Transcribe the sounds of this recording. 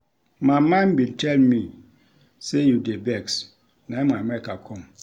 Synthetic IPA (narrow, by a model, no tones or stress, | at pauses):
mãmãnbĩntʰɛlmĩ | sejudebɛks | nãmãmɛkakʰɔ̃m